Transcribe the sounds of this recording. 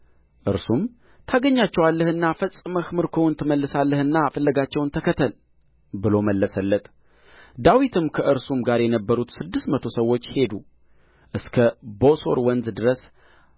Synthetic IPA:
ʔɨɾsum | t̪ʰaɡəɲːat͡ʃːɛwalːəhɨnːafəsʼɨməxmɨɾkʰəwʊnt̪ʰɨməlːɨsalːəhɨnːafəlːəɡat͡ʃːɛwnt̪ʰəkʰət̪ʰəl | bɨlo̞məlːəsəlːət̪ʼ | d̪awit̪ʰɨmkʰəʔɨɾsumɡaɾjɛnəbːəɾut̪sɨd̪ːɨst̪mət̪ʰo̞səwːo̞t͡ʃːhe̞d̪u | ʔɨskʰəboso̞̰ɾwənzd̪ɨɾəs

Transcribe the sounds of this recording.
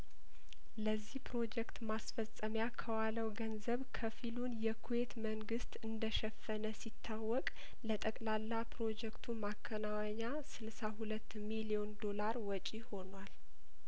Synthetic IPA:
ləzːihpɾo̞d͡ʒɛkt̪masfəsʼəmjakʰəwaləwɡənzəβkʰəfilunjɛkʰuwe̞t̪məŋɡɨst̪ɨnd̪əʃɛfːənəsit̪ʰːawːɔkʼ | lət̪ʼəkʼlalːapɾo̞d͡ʒɛkt̪ʰumakʰːənawɲa | sɨlsahulət̪ːmilijo̞nd̪o̞laɾwɔt͡ʃʼiho̞nwal

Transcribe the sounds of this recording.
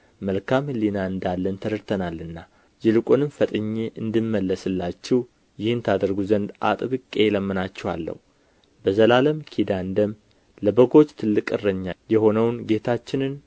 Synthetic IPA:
məlkʰamlinaɨnd̪alːənt̪ʰəɾɨɾt̪ʰənalːɨnːa | d͡ʒɪlɨkʼonɨmfət̪ʼɨɲːeʔɨnd̪ɨmːəlːəsɨlːat͡ʃːɛw | jɪhɨnt̪ʰad̪əɾɡuzənd̪ʔa̰t̪ʼɨβɨkʼe̞jɛləmːɨnat͡ʃːɛhwa̰lːə̰hu | bəzəlaləmkʰid̪and̪əm | ləbəɡo̞t͡ʃːt̪ʰɨlːɨkʼɨrːəɲːajɛho̞nəwnɡe̞t̪ʰat͡ʃːɪnɨn

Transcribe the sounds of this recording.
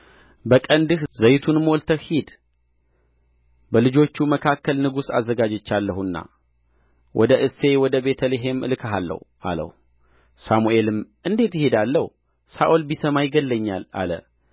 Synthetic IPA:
bəkʼənd̪ɨhzəjt̪ʰunmɔlt̪ʰəhid̪ | bəlɨd͡ʒo̞t͡ʃːuməkʰakːəlnɨɡusa̰zːəɡad͡ʒɛt͡ʃːalːəhɨnːa̰ | wʔɔ̰d̪əʔɨse̞wɔd̪əbe̞t̪ʰəliɦe̞mʔɨ̰lkʰəɦalːə̰hʔa̰lə̰h | samue̞lɨmʔɨnd̪e̞t̪jɪhe̞d̪alːəhu | saʔo̞lbisəmajɪɡəlːəɲːala̰lə̰

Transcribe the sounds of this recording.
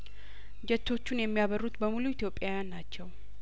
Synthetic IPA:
d͡ʒɛt͡ʃʰːo̞t͡ʃːunjɛmːijaβərːut̪bəmuluit̪ʰjo̞pʼːjajanːat͡ʃːɛw

